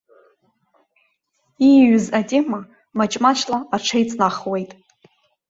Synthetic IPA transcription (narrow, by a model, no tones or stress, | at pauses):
iɥzatʼe̞ma | mat͡ʃʼmat͡ʃʰʼlaːʈ͡ʂʰejt͡sʼnaχwe̞jtʼ